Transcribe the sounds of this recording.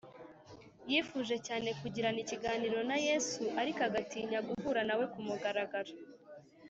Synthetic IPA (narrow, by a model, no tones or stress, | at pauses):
jifuːʒe̞caːne̞kuɟiɾaniciɡaːniːɾo̞naje̞ːsuʔaɾikaɡatiːɲaɡuvuːɾanawe̞kumuɡaɾaɡaɾa